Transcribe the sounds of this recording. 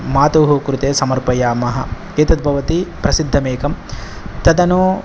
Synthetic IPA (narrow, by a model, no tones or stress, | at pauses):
maːt̪uɦukɾut̪eːsɐmɐɾpɐjaːmɐɦɐ̰ | eːt̪ɐd̪̚bʱɐʋɐt̪ipɾɐsid̪ʱːɐmeːkɐm | t̪ɐd̪ɐnoː